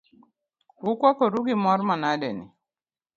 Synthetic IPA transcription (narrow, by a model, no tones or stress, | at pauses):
hukwakɔɾuɡimɔɾmanadɛnḭ